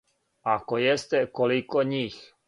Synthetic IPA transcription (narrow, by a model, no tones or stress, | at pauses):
akojest̪ɛkolikoɲix